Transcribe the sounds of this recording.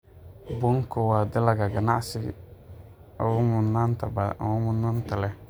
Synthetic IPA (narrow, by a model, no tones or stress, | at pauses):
bʊŋkowadɪlaɡaɡana̰ʔsɪ̰ | mʊnantabamʊnʊntalɛ